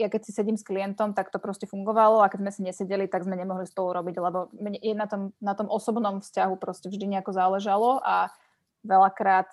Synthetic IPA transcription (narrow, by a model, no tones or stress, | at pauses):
jakɛcsisɛɟimskliɛnt̪ɔmt̪akt̪ɔpɾɔscɛfuŋɡɔʋalɔakɛɟzmɛsiɲɛsɛɟɛlit̪aɡzmɛɲɛmɔɦlispɔluɾɔbiɟlɛbɔmɲɛɛnat̪ɔmnat̪ɔmʔɔsɔbnɔmfscaɦupɾɔscɛvʒd̪iɲɛakɔzalɛʒalɔʔa | ʋɛlakɾaːt̪